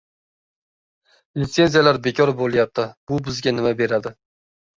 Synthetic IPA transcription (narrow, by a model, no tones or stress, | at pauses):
lɪt̪se̞nzijalaɾbe̞kʲʰɒɾbolˠjap̚t̪ʰɪb̥ʊbɪzɡʲanɪmabe̞ɾad̪ɪ